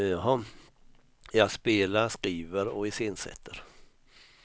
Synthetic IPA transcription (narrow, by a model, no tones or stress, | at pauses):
ɑɦɑ | jɑːɡspeːlaɾʂkɾiːvəɾɔɪsɪnsɛ̰t̪ʰːəɾ